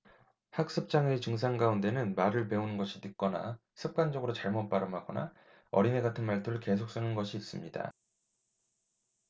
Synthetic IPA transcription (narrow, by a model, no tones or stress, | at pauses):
hak̚s͈ɯp̚t͡ɕ͈aŋet͡ɕɯŋs̬ʰaŋɡaunde̞nɯnmaɾɯɭpe̞onɯnɡʌɕʰitɯk̚k͈ʌna̰ | sʰɯp̚k͈and͡ʑʌɡɯɾot͡ɕaɭmot̚p͈aɾɯmɦaɡʌna̰ | ʌ̰ɾine̞ɡatʰɯnmaɭtʰɯɾɯɭke̞sʰok̚s͈ɯnɯnɡʌɕʰiːs͈ɯmɲida̰